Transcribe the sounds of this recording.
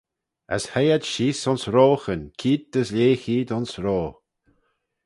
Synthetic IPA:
ə̰shɛjad̪ʃiːsɔnsɾoːxənkʰiːd̪̚d̪əslʲeːxiːd̪ɔnsɾoː

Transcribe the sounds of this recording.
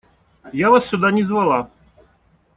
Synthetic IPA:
javasːʲʊd̪anʲɪzvɐlˠa

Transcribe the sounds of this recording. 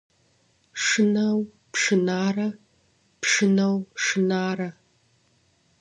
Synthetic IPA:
ʂɨnɐw | pʂɨnaːrɐ | pʂɨnɐwʂɨnaːrɐ

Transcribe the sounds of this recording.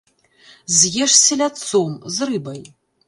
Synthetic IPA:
zjʲɛʂselʲat͡sʰomzrɨbɐj

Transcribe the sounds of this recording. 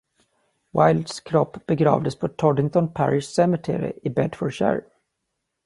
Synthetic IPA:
wajld̪skʰɾɔpːbɛɡɾɑ̰ːvd̪əspʰɔt̪ʰɔɖɪŋt̪ɔnpʰæɾɪʂsɛmɪt̪ʰɛ̰ɾɪɪ̰ʔɪbɛd̪fɔɖɕæ̰ɾ

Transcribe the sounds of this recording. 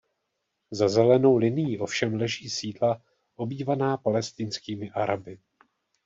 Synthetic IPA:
zazɛlɛno̞wlɪnɪjiʔo̞fʃɛmlɛʒiːsiːdla | ʔo̞biːvanaːpalɛst̪ɪnskiːmɪʔaɾʔabɪ

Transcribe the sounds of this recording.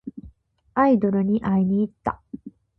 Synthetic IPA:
aid̪o̞ɾɯ̟ɲ̟iʔaiɲ̟iːt̪ːa̰

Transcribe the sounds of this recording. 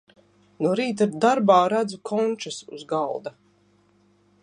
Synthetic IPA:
nuɾiːt̪̬ad̪aɾbaːɾad̪zukʰɔnʲt͡ʃasṵzɡalˠd̪a

